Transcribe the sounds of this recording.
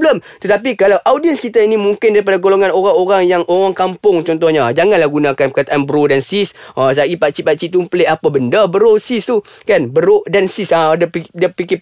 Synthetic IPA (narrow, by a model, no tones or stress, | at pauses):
bləmt̪ət̪ap̬ikalawʔawdiənskit̪ainĩmuŋkɪndaɾip̬adaɡoloŋanoɾaŋoɾaŋjaŋʔoɾaŋkampʊŋt͡ʃɔnt̪̬ɔhɲad͡ʒaŋanlahɡunãkanpəkat̪aʔanbəɾodansisasaɡipat͡ʃipat͡ʃiʔt̪̬umpəleʔapabəndəbəɾosist̪u | kanbəɾodansisadəpidəpikɪ